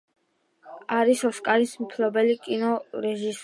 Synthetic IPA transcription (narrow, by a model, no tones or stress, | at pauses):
aɾisɔskʼaɾismpʰlɔbɛlikʼinɔɾɛʒis